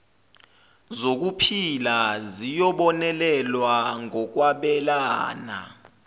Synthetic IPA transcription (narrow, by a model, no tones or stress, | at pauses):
zok̬upʰilazijɔɓɔnɛlɛlwaŋɔk̬waɓɛlaːna̰